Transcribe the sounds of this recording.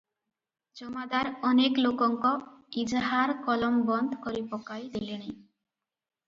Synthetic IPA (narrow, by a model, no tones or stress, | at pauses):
d͡ʒɔmad̪aɾɔneklokɔŋkɔid͡ʒɦaɾkɔlɔmbɔnd̪ʱkɔɾipɔkajd̪eleñi